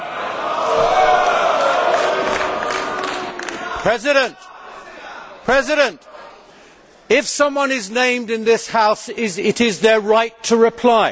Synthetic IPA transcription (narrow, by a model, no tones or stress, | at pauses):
pʰɹ̥ɛzɪɾɨ̃nt | pʰɹ̥ɛzɪɾɨ̃nt | ɪfsʌ̃mwʌ̃nɪznẽɪ̃mdɨ̃nðɪshaʊsɪzɪɾɪzðə˞ɹaɪtʰəɹɪpʰl̥aɪ